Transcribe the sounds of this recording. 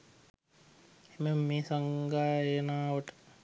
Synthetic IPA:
eməmmeːsaŋɡaːenaːʋəʈə̥

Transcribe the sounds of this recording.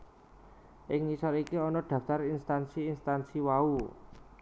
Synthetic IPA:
ʔɪŋːisɔlikiɔnɔɖ̪̥ä̤ft̪aɾinst̪ansiːnst̪ansiwau

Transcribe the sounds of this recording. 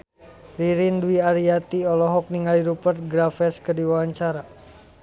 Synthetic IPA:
riɾinduiaɾiat̪iɔlɔɦɔk̚niŋɡaliɾupərt̪̚ɡɾafɛskərdiwawaɲt͡ʃaɾa

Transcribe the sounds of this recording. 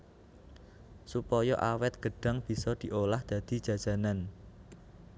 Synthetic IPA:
supɔjɔʔawɛt̪̚ɡ̥ə̤ɖ̥a̤ŋb̥i̤sɔd̪̥i̤ʔolahd̪̥ä̤d̪̥i̤d̥d͡ʒ̥ä̤d̥ʒ̥ä̤nan

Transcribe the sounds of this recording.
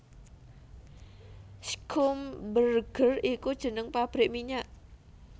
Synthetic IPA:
skʰʊmbərɡ̥ərikud̥ʒ̥ə̤nəŋpab̥ɾɪʔmiɲaʔ

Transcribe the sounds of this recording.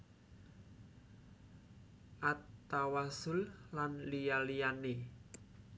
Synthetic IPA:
ʔat̪ːawasʊllanlijalijane

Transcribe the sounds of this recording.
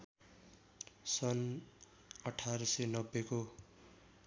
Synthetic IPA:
sʌn | ʌʈʰaɾʌsʌnʌbːeko

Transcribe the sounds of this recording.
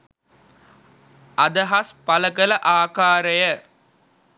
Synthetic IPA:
ɐd̪əɦaspɐləɡələʔaːkaːɾəjə

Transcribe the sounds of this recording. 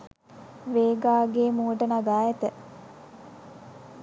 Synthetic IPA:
ʋeːɡaːɡeːmuːəʈənaɡaːjɛt̪ə

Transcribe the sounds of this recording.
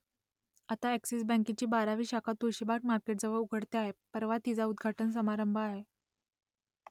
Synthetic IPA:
at̪aæksisbɛ̃ŋkit͡ɕiːbaɾaʋiːɕakʰat̪uɕibak̚maɾkeʈ̚d͡zəʋəɭuɡʱəɽt̪eaɦepəɾʋat̪id͡zaud̪ɡʱaʈəns̬əmaɾəmbʱəaɦe

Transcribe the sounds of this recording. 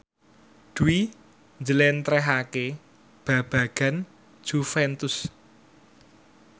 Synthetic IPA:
ɖ̪̥uwi | nd͡ʒəlɛnt̪ɾɛɦake | b̥ä̤b̥ä̤ɡ̥a̤n̥ | ʒ̥ufɛnt̪ʊs

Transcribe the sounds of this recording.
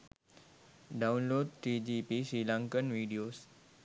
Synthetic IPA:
ɖãwnloɖ̚t̪ɾid͡ʒipisilãŋkənʋiɖios

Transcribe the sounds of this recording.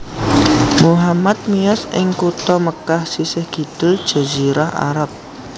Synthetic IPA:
muɦamat̪̚mijasʔɪŋkut̪ɔməkahsisɪhɡ̥i̤t̪ud̥ʒ̥a̤ziɾaha̰ɾap̚

